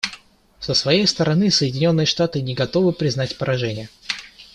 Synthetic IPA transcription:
səsvɐjejst̪əɾɐnɨsəjɪdʲɪnʲo̞nːɨjəʂt̪at̪ɨnʲɪɡɐt̪o̞vɨpɾʲɪznatʲpəɾʔɐʐɛnʲɪjə

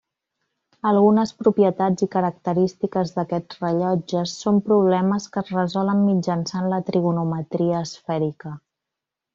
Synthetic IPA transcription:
əlˠɣunəspɾupjət̪ad͡zikəɾək̚t̪əɾist̪ikəzðəkɛd͡zrəʎɔd͡ʒəsːompɾuβ̞lɛməskəzrəzɔləmːid͡ʒənsanlət̪ɾiɣunumət̪ɾiəːsfɛɾikə

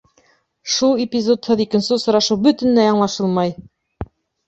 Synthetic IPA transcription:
ʃulˠɪpʲizo̞t̪hɤðikɘ̆nsɘsŏɾɑʃɤwbɵ̆t̪ɘ̆nlæjɑɴlˠɑʃɤlˠmɑj

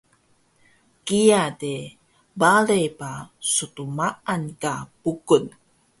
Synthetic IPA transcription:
kijade | balejpasutumaankapukun

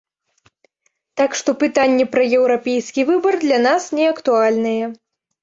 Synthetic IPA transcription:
t̪akʂt̪ɔpɨt̪anʲːɛpɾɐjɛwɾapʲejskʲivɨbɐrd̪lʲan̪asnʲɛɐkt̪ualʲnɨjɛ

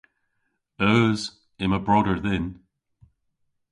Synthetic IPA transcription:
əz̥ | ɪ̃məbɹɔɾə˞ðɪ̃n

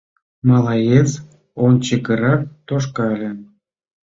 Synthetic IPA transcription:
mɑlˠɑjet͡s | ont͡ɕəkə̆ɾɑk̚t̪oʃ̬kɑlʲĕ

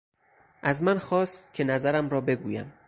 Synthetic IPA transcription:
ʔæzmænxɒːst̪̚kʲʰe̞næzæɾæmɾɒːbe̞ɡuːjæ̰m

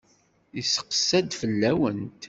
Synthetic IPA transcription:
isə̥qə̥sːæd̪fəlːæwənt̪

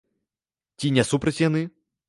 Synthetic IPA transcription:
tʲinʲɛsupɾɐtʲjanɨ

